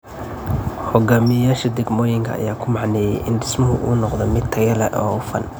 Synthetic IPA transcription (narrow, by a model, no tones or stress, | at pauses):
hɔɡaːmɪjjaːʃɐd̪ɛɡmɔːjɪŋkʰɐ̰ɐ̰jaːkʰʊmɑʕnɛːjɛ̰jʔɪnɖɪsmɐɦʊʔṵːnɔqd̪ɔmɪd̪t̪ʰɐɣɐlɛ̰ʔɔ̰ːfɐ̰n